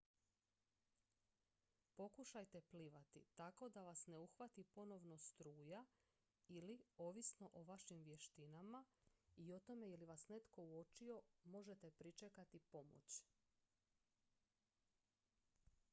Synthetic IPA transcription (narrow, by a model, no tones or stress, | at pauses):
po̞kuʃajt̪e̞pliʋat̪ḭt̪ako̞d̪aʋasne̞uxʋat̪ipo̞no̞ʋno̞st̪ɾuːja | ilio̞ʋisno̞ʔoʋaʃimʋje̞ʃt̪inamaio̞t̪o̞me̞jeliʋasne̞t̪ko̞uot͡ʃio̞mo̞ʒe̞t̪epɾit͡ʃekat̪ipo̞mo̰t͡ɕ